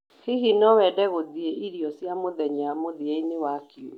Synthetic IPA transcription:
hiɦinɔwɛdɛɣoðieʔiɾiɔsjamoðɛɲamoðieinewakio̰

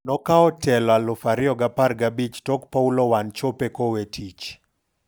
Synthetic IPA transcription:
nɔkaɔtɛlɔalɔfaɾɪɔɡaparɡabit͡ʃtɔkpaulɔwant͡ʃopekɔwetʰit͡ʃ

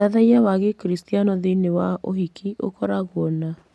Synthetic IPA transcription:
aðaiawaɣekɾistijanɔðeinewaʔoɦikʰiʔo̰kɔɾaɣɔna

